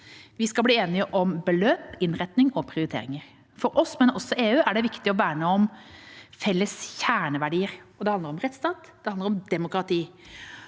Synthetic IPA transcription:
ʋɪskɑbliːeːnɪəʔɔmbəløːpɪnɾɛt̪nɪŋɔpʰɾɪʊɾɪt̪ʰḛːɾɪŋəɾ | fɔɾʔɔsmɛnɔsɔʔeːʉːæɖɛʋɪkt̪ɪɔʋæːɾəmeɔm | fɛlːəsçæːɳəʋæɖiːəɾɔd̪ɛhɑnəɾɔmɾɛt̪st̪ɑːt̪d̪̥ɛhɑnd̪əɾɔmd̪ɛmʊkɾɑt̪ʰiː

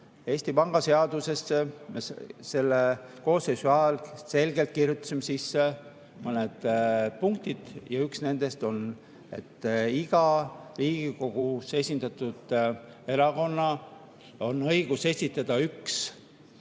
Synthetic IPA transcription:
e̞ːsʲt̪ipɑŋɡ̥ɑse̞ɑd̪̥use̞sːemese̞lːeko̞ːsːesuɑːlse̞lɡ̥e̞lt̪̚kirjut̪ːˑu̥simːesisːe | mɤned̪̥puŋkt̪id̪̥jɑyksne̞nd̪̥e̞st̪o̞n | e̞̰t̪ːiɡ̥ɑriːɡ̥iko̞ɡ̥use̞sʲind̪̥ɑt̪ːˑud̪̥ | e̞ɾɑko̞nːɑ | o̞nːɤjɡ̥use̞sʲit̪ːˑɑd̪̥ɑyks

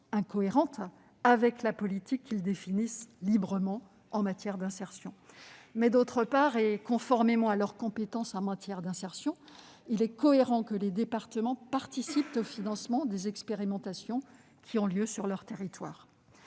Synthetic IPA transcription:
ɛ̃kɔeʁɑ̃t̪ | avɛklapɔlit̪ikʰʲːild̪efinislibʁəmɑ̃ | ɑ̃mat̪jɛʁd̪ɛ̃sɛʁsjɔ̃mɛd̪ot̪χəpaʁekɔ̃fɔʁmemɑ̃alœʁkɔ̃pet̪ɑ̃sɑ̃mat̪jɛʁd̪ɛ̃sɛʁsjɔ̃ | ilɛkɔeʁɑ̃kəled̪epaʁt̪əmɑ̃paʁt̪isip̚t̪ofinɑ̃smɑ̃d̪ezɛkspeʁimɑ̃t̪asjɔ̃ | kʲʰiɔ̃ljøsyʁlœʁt̪eʁit̪wa̰ːʁ

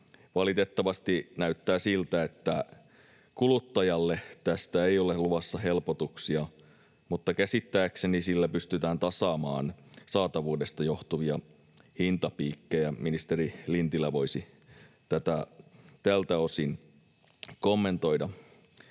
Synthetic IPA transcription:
ʋɑlit̪et̪ːɑʋɑst̪inæyt̪ːæːsilt̪æet̪ːæ | kulut̪ːɑjɑlːet̪æst̪æeioleluʋɑsːɑhelpot̪uksiɑ | mut̪ːɑkæsit̪ːæːksenisilːæpyst̪yt̪æːnt̪ɑsɑːmɑ̰ːnsɑːt̪ɑʋuːdest̪ɑjoht̪uʋiɑ | hint̪ɑpiːkːejɑminist̪eɾilint̪ilːˑæʋo̞isi | t̪æt̪æt̪ælt̪æosin | komːent̪oidɑ

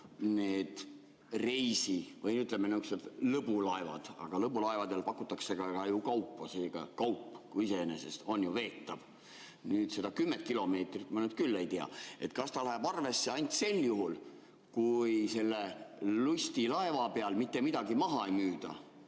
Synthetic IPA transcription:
neːd̪̥ | rejsivɤjniyt̪ːˑlemːenouksed̪lɤbulɑevɑ̰d̪̥ɑ̰ɡ̥ɑlɤbulɑevɑd̪elpɑkːˑut̪ːˑɑkse̞ɡ̥ɑɡɑjukɑwpːˑoseːɡ̥ɑ̰kɑwpːˑkuise̞enḛse̞st̪o̞njuve̞ːt̪ːɑv | nyːt̪se̞d̪ɑkymːent̪̚kilo̞me̞ːt̪rit̪mɑnyːd̪̚kylːe̞jt̪eɑ̰e̞t̪kɑst̪ɑlæɦebɑrve̞sːeɑnʲt̪ʲse̞lːjuɦul | kujse̞lːelusʲt̪ilɑe̞vɑpeɑlmit̪ːe̞mid̪̥ɑɡimɑɦɑejmyːd̪̥ɑ̰

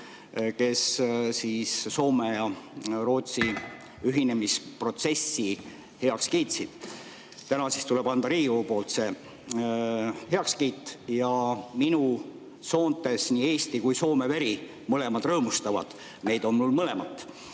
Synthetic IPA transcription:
ke̞ssiːsso̞ːme̞jɑro̞ːt̪si | yɦine̞mispro̞t̪se̞sːi | he̞ɑkskiːt̪sid̪̥ | t̪ænɑsist̪ule̞b̥ɑnd̪ɑɾiːupo̞ːlt̪se̞ | he̞ɑkskiːt̪ˑːjɑminu | so̞ːnt̪e̞sniːe̞ːst̪ikujso̞ːme̞veɾi | mɤle̞mɑd̪̥rɤːmust̪ɑvɑ̰d̪̥ | ne̞jd̪o̞nmulmɤle̞mɑt̪ːˑ

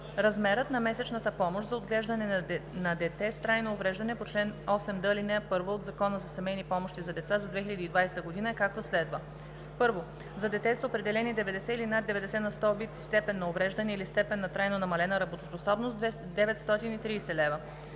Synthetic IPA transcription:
ɾɐzmɛɾət̪nɐmɛsɛt͡ʃnɐt̪əpɔmoʃzɐod̪ɡlɛʒd̪ɐnɛnɐd̪ɛt̪ɛst̪ɾajnoːvɾɛʒd̪ɐnɛpot͡ʃlɛnɔsɛmd̪ɤlinɛɛpɤɾvood̪zɐkɔnəzɐsɐmɛjnipɔmoʃt̪izɐd̪ɛt̪sazɐd̪vɛxilʎɐd̪iːd̪vajst̪əɡod̪inəɛkak̚t̪oslɛd̪və | pɤɾvo | zɐd̪ɛt̪ɛsəopɾɛd̪ɛlɛnid̪ɛvɛd̪ɛsɛilinad̪d̪ːɛvɛd̪ɛsɛnɐst̪ɔvit̪st̪ɛpɛnːɐovɾɛʒd̪ɐnɛilist̪ɛpɛnːɐt̪ɾajnonɐmɐlɛnəɾɐbot̪osposɔbnos | d̪ɛvɛt̪st̪ɔt̪init̪ɾiːsɛlɛvə

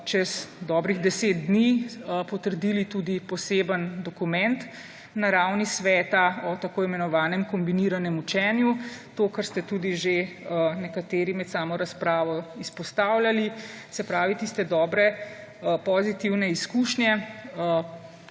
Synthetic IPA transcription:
t͡ʃɛzd̪ɔːbɾiɣd̪ɛseːt̪̚d̪niːpɔt̪əɾd̪iːlit̪uːd̪ipɔseːbənd̪ɔkumɛnt̪ | naɾawnisʋɛːt̪aɔt̪akoːimɛnɔʋaːnɛmkɔmbiniɾanɛmut͡ʃɛːnjut̪okəɾst̪ɛt̪uːd̪iʒe | nɛkat̪eːɾimɛt̪saːmɔɾaspɾaːʋɔispɔst̪aːwljalisɛpɾaːʋit̪ist̪ɛd̪ɔːbɾɛ | pɔzit̪iwnɛiskuːʃnjɛ

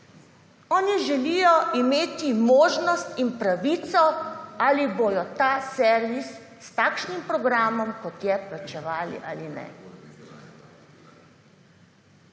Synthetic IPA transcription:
ɔːniʒɛlijɔʔimeːt̪imoːʒnɔst̪inpɾaʋit̪sɔalibojɔt̪aːsɛɾʋisː | t̪aːkʃnimpɾɔɡɾaːmɔmkɔt̪jɛplat͡ʃɛʋaːlḭʔalinɛ̰

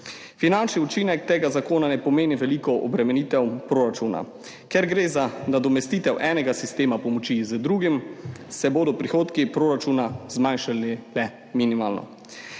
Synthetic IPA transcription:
finant͡ʃniut͡ʃinɛkt̪eːɡazakoːnanɛpɔmeːniʋɛlikɔʔɔbɾɛmɛniːt̪ɛwpɾoːɾat͡ʃuːna̰ | kɛɾɡɾeːzanad̪ɔmɛst̪iːt̪ɛwʔɛːnɛɡasist̪eːmapɔmɔt͡ʃizəd̪ɾuːɡimsɛboːd̪ɔpɾixoːt̪kipɾoːɾat͡ʃunazmajnʃalilɛ | minimaːlnɔ̰

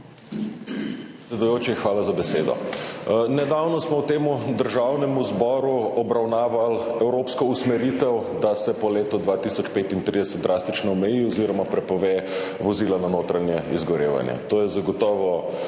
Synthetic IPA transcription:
pɾɾɛt̪sʲɛd̪ujoːt͡ʃiixʋaːlazabɛseːd̪ɔ̰ | nɛd̪awnɔsmɔwt̪eːmud̪əɾʒawnɛmuzbɔːɾuɔbɾawnaːʋalɛwɾoːpskɔusmɛɾit̪ɛw | d̪asɛpɔleːt̪ɔd̪ʋaːt̪isɔt͡ʃpeːt̪int̪ɾid̪ɛsɛt̪̚d̪ɾʔaːst̪it͡ʃnɔɔmɛjiɔziɾɔmapɾɛpɔʋeːʋɔziːlananoːt̪ɾanjɛḭzɡɔɾḛːʋa̰njɛ̰t̪oːjɛzaɡɔt̪ɔːʋɔ

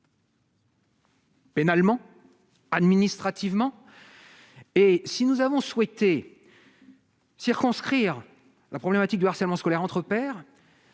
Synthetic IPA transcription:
penalmɑ̃ | ad̪minist̪χat̪ivmɑ̃ | esinuzavɔ̃swɛt̪e | siʁkɔ̃skχiʁ | lʔapχɔblɛmat̪ik̚d̪yaʁsɛlmɑ̃skɔlɛʁɑ̃t̪χəpɛːʁ

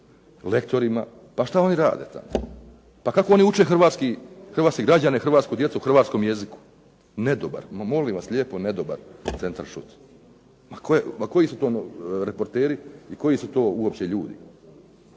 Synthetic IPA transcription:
le̞kt̪o̞ɾima | paʃt̪ao̞niɾa̰ːd̪ḛt̪a̰mo | pakakooniut͡ʃexrʋaːt̪skixɾr̩ʋaːt̪kiɡɾad͡ʑanexr̩ʋaːt̪skud̪jet̪uxr̩ʋaːt̪sko̞mje̞ziku̥ | ned̪oba̰ɾmolimʋasʎʲeːpone̞d̪oba̰ɾt̪se̞nt̪a̰ɾʃṵt̪ | makʰojemako̞jisut̪o̞ːnɾepo̞ɾt̪eːɾiiko̞jisut̪o̞ːuopt͡ɕe̞ʎuːd̪ḭ

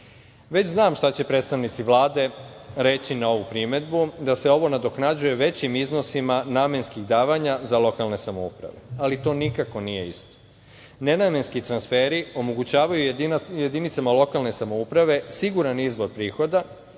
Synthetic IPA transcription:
ʋe̞t͡ɕznaːmʃt̪at͡ɕe̞pɾe̞ːt̪st̪aʋnit̪siʋlˠaːd̪e̞ɾe̞t͡ɕinao̞ʋupɾime̞d̪bud̪ase̞o̞ʋo̞nad̪o̞knad͡ʑujeʋe̞t͡ɕimizno̞simanaːmjenskiɣd̪aːʋaɲazalo̞kalne̞samoṵpɾa̰ʋe̞̰alit̪o̞ːnikako̞nije̞ist̪o̥ | ne̞namje̞nskit̪ɾansfeːɾio̞moɡut͡ɕaːʋajuje̞d̪init̪samalo̞kalne̞samo̞upɾaʋe̞siɡuɾanizʋo̞ɾpɾiːxo̞d̪a

